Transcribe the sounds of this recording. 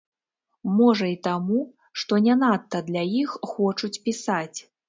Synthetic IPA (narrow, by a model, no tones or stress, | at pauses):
mɔʐɐit̪amu | ʂt̪ɔnʲanat̪ːɐd̪lʲajixːɔt͡ʂut͡sʲpʲisat͡sʲ